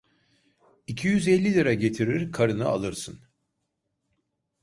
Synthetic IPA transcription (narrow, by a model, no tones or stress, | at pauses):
icʰijyzɛlʲːilʲiɾaɟe̞t̪ʰiɾiɾkʰaɾɯnɯa̰lˠɯɾsɯn